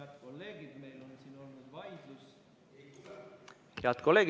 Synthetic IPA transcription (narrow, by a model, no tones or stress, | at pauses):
ɑt̪kolːe̞ːɡid̪̥me̞jlo̞nsiːno̞lnud̪vɑjd̪lus | heɑt̪kolːe̞ːɡ